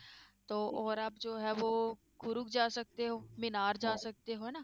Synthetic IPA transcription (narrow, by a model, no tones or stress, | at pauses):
t̪oːʔɔːɾɐbd͡ʒoːɦɛːʋoː | kʊɾʊkd͡ʒaːsɐk̚t̪eɦoːmɪnaːɾd͡ʒaːsɐk̚t̪eɦoːɛnaː